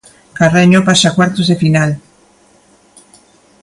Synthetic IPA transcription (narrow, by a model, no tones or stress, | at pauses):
kareɲopasakwaɾt̪ozðefinal